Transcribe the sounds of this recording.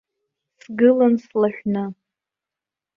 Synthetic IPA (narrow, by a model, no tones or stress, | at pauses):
sɡɨlanslaʃʷᶣnɨ